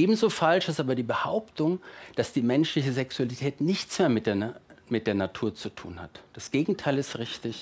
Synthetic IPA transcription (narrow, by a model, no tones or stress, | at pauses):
ʔeːbm̩zoːfalʃɪstʔaːbɐdiːbəhaʊptʊŋd̥asd̥iːmɛnʃlɪçəzɛksualitʰɛːtnɪçt͡smeːɐmɪmɪt̚d̥eːɐnatʰuːɐt͡sutʰṵːnha̰td̥asɡ̥eːɡŋ̩tʰaɪlɪstʁɪçtɪç